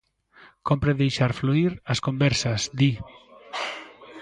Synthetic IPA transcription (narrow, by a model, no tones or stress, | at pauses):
kompɾeðejʃaɾfluiɾɐskombɛɾsɐsd̪i